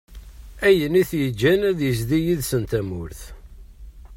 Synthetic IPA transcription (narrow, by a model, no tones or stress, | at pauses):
æjəniθjəd͡ʒːænæðjəzðijiðsənt̪æmʊɾθ